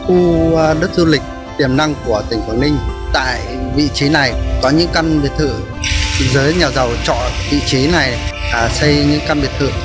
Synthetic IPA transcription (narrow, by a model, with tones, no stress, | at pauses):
xu˧ɗə˦˥t̚zu˧lï˨˩k̟̚ | t̪i˧˩əmna˧ŋku˧˩ət̪ï˧˩ŋ̟faː˧˩ŋnï˧ŋ̟t̪a̰ː˧˨j | vḭ˧˨t͡ɕi˨˦na˨˩jkɔ˨˦ɲɨ̰˧˥ŋka˧nɓi˨˩ət̪ʰɨ̰˧˨ | zəː˨˦jɲa˨˩wzə˨˩wt͡ɕɔ̰˧˨vḭ˧˨t͡ɕi˨˦na˨˩j | ʔaː˨˩sə˧jɲɨ̰˧˥ŋka˧nɓi˨˩ət̪ʰɨ̰˧˨